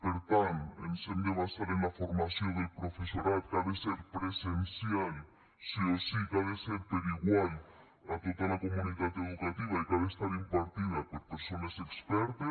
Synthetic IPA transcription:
peɾt̪anḛnsembɾeβast̪aɾenafoɾmasjod̪elpɾofesoɾat̪kaðeseɾpɾesensjal | siosikaðeseɾpeɾiɣwal | at̪ot̪alakomũniðat̪eðukat̪iβaikaðest̪aɾimpaɾt̪iðapoɾpeɾsonasekspɛɾt̪e

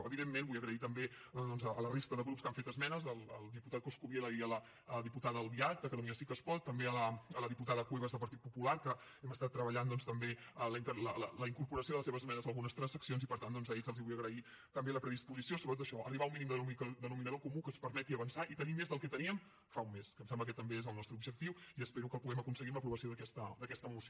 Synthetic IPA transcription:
əβiðemːẽnbujəɣɾəit̪əmbe | d̪ɔnzəələrist̪əðəɣɾupskaɱfet̪əzmɛnəzəlˠəlˠd̪iput̪at̪̚koskuβjeləiələ | ðiput̪aðəəlˠβiak̚t̪əkət̪uminəsikəspɔt̪ːəmbeələələðiput̪aðəkweβəzðəlˠpəɾt̪it̪̚pupulaɾkə | ɛməst̪at̪ːɾəβəʎand̪ɔnst̪əmbeələint̪ələlələiŋkuɾpuɾəsioðələseβəzmɛnəzəlˠɣunəst̪ɾənsəksionzipəɾt̪and̪ɔnzəeʎzəlˠziβujəɣɾəi | kəmbjaləpɾəðispuzisiosoβɾət̪ot̪əʃɔʔə̰riβauminimd̪əumkd̪ənuminəðokumukənspəɾmɛt̪iəβənsaʔit̪ənimezðəlˠkɛt̪əniəm | faumːeskəmsɛmblək̬ɛt̪ːəmbeezəlˠnɔst̪ɾəubʒək̚t̪iwiəspeɾukəlˠpuɣɛməkunsəɣimləpɾuβəsioðəkɛst̪əd̪əkɛst̪əmusio

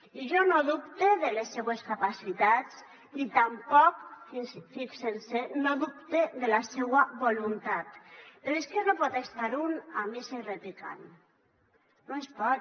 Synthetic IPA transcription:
iʒɔnoðupt̪eðelesːeweskapasit̪at͡s | it̪ampɔksfiksensenoðup̚t̪eðelasewaβolunt̪at̪peɾoeskenopɔt̪est̪aɾunamisereplika̰n | noespɔt

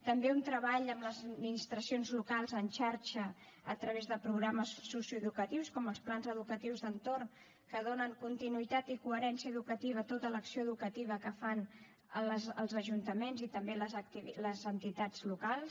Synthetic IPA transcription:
t̪əmbeunt̪ɾəβaʎəmləzəd̪minist̪ɾəsionzlukalˠzənʲʃaɾt͡ʃə | ət̪ɾəβezðəpɾuɣɾaməsːusjuəðukət̪iwskɔməlˠsplanzəðukət̪iwzðənt̪orn | kəð̞onəŋkunt̪inuit̪at̪ikuəɾɛnsiəːðukət̪iβ̞ət̪ot̪ələksioəðukət̪iβ̞əkəfan | əlzəlˠzəʒunt̪əmenzit̪əmbeləziiləzənt̪it̪ad͡zlukalˠs

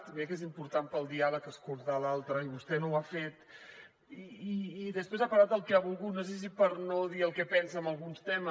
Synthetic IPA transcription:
t̪βɛkezimpuɾt̪ampəlˠd̪ialəkəskulˠt̪alalˠt̪ɾəiβust̪ɛnowafet̪ | iiːðəspɾezapəɾat̪̚əlˠkɛaβulˠɣut̪nos̬es̬ipəɾnoðiəlˠkɛpɛnsəːməlˠɣunst̪ɛmə

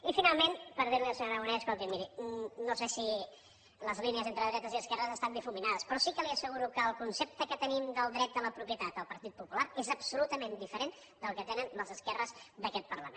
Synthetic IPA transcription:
ifinalˠmenpəɾð̞iɾliəsəɲoɾəɣunɛəskolˠt̪immiɾinosesi | ləzliniəzent̪ɾəðɾɛt̪əziəskɛrəzəst̪and̪ifuminaðəspɾɔsikəliəsəɣuɾukəːlˠkunsep̚t̪əkət̪ənimd̪əlˠd̪ɾɛt̪̚ələpɾupjət̪at̪əlˠpəɾt̪it̪̚pupulaɾezəbsulut̪əmend̪ifəɾen | d̪əlˠkət̪enənəlˠzəskɛrəzd̪əkɛt̪̚pərləmen

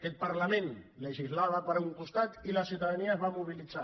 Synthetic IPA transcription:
kɛt̪̚paɾlamẽnleʒizlaβəpəɾuŋkust̪at̪ilasiuwt̪aðaniaezβamuβ̞ilid͡za

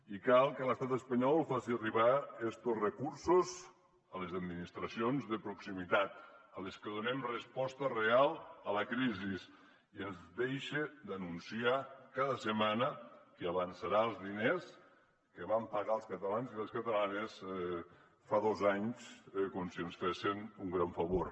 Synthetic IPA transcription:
ikalˠkələst̪at̪əspəɲɔlˠfasiəriβaest̪osrəkuɾsoz | əlezəd̪̚minist̪ɾəsionzðəpɾuksimit̪at̪̚əleskəðunɛmrəspɔst̪ərealˠələkɾizis | iezðejʃed̪ənunsiakaðəsəmanəiaβənsaɾaəlˠzðines | kəβampaɣalˠskət̪əlanzieskət̪əlanes | faðozaɲskomsiənsfesenuŋɡɾaɱfəβoɾ

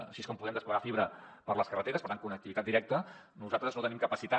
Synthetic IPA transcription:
ə̰ʃieskɔmpuðɛmd̪əspləɣafiβɾəpəɾləskərət̪eɾəspəɾt̪aŋkunək̚t̪iβit̪at̪̚d̪iɾɛk̚t̪ə | nuzat̪ɾəznot̪ənimkəpəsit̪a

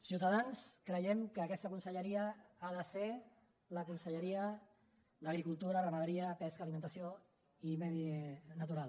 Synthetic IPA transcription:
siwt̪aðanskɾəjɛmkəːkɛst̪əkunsəʎəɾiəaðəse | ləkunsəʎəɾiə | ləɣɾikulˠt̪uɾərəməðəɾiəpɛskaːlimənt̪əsio | imɛðinət̪uɾalˠ

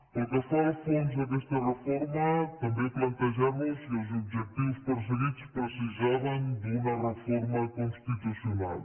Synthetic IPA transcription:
ɐ̃t̪ɐfɔɾɐfẽnʒɐd̪ɛʃt̪ɐʁɨfɔɾmɐt̪ɐ̃mbẽj̃plɐ̃nt̪ɐʒamuʃuzobʒɛt̪ivuʃpɨɾʒuvit̪u̥ʃpɾosiʒɛvɐ̃j̃d̪umɐʁɨfɔɾmɐkõʃt̪it̪usjuna̰lˠ

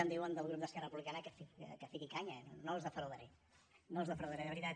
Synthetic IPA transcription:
ənd̪iwənd̪əlˠɣɾup̚d̪əskɛrərəpuβlikanəkəfiə̰kəfikikaɲənonozðəfɾuðəɾɛ | nozðəfɾoðəɾɛðəβɾit̪a

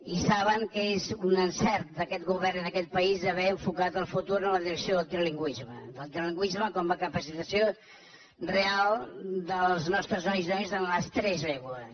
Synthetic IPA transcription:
isaβəŋkezunənsɛɾt̪̚d̪əkɛt̪ɡuβɛɾnənəkɛt̪̚pəizəβɛəɱfukat̪əlˠfut̪uɾənləðiɾəksioðəlˠt̪ɾəliŋɡwizmə̰d̪əlˠt̪ɾəliŋɡwizməkɔməkəpəsit̪əsio | realˠd̪əlˠznɔst̪ɾəzɔjznɔjzənləst̪ɾɛzlɛβuəs

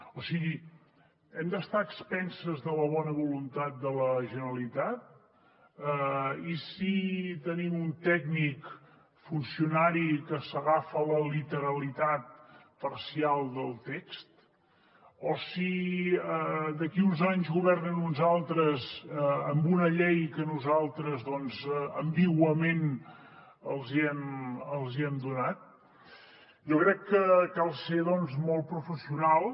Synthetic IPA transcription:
osiɣi | ɛmd̪əst̪aəkspɛnsəzðələβɔnəβulunt̪at̪̚d̪ələʒənəɾəlit̪at̪̚ | isit̪ənimunt̪ɛɡnik | funsiunaɾikəsəɣafələlit̪əɾəlit̪at̪̚ | pərsialˠd̪əlˠt̪ɛkst̪ | osiəd̪əkiunzaɲzɣuβ̞ɛrnənunzalˠt̪ɾəzəmbunəʎɛjkənuzalˠt̪ɾəzðɔnzəmbiɣwəmen | əlˠziɛməlˠziɛmd̪unat̪̚ | ʒokɾɛkːəkalˠseðɔnzmɔlˠt̪̚pɾufəsiunalˠ

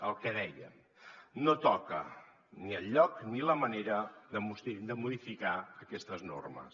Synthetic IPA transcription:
əlˠkɛðɛjə̰m | not̪ɔkə̰ | niəlːɔkniləməneɾəðəmusid̪əmuðifikaəkɛst̪əzno̰rmə̰s

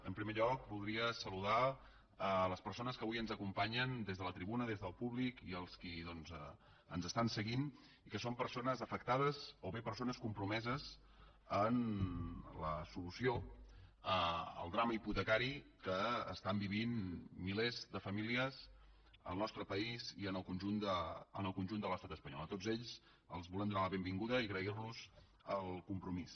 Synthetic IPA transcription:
əmpɾimeʎɔk̚bulˠd̪ɾiəsəluða | ələspəɾsonəskəβujənzəkumpaɲənd̪ezð̞ələt̪ɾiβunəðezðəlˠpuβlikiəlˠskiðɔnzə | ənzəst̪ansəɣin | ikəsompəɾsonəzəfək̚t̪að̞əzoβepəɾsonəskumpɾumɛzəz | ən | ləsulusio | əə̰lˠd̪ɾaməiput̪əkaɾi | kə̰ːst̪ambiβinmilezdəfəmiliəz | ə̰lˠnɔst̪ɾəpəiziənəlˠkunʒund̪əənəlˠkunʲʒund̪ələst̪at̪əspəɲɔ̰lˠət̪od͡zzeʎz | əlˠzβulɛmnd̪unaləβembiŋɡuðəiɣɾəirnuz | əlˠkumpɾumis

